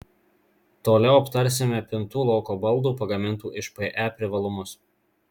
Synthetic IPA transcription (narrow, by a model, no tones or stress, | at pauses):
t̪oːlʲɛʊɐpt̪ɐɾʲsʲɪmʲɛpʲɪnt̪uːlˠɒʊkoːbɐlˠd̪uːpɐɡɐmʲɪnt̪uːʔɪʃpɛʔæːpʲɾʲɪʋɐlˠʊmʊs